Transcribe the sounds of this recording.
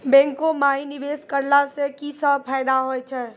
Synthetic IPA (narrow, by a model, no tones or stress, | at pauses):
bɛ̃ːŋkomaːiniʋeskəɾlasekisəpʰaːɪd̪aɦojt͡ʃʰɛ